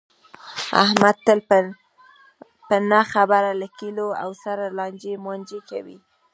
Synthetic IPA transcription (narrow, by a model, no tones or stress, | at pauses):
a̰hmad̪̚t̪əl | pənaxabaɾalakiloa̰wsaɾalɑnd͡ʒemanʲd͡ʒekawḭ